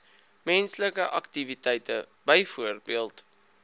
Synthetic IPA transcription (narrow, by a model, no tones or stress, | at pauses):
mɛnsləkəʔɐktivitɛjtə̰bəjfuərbiəlˠt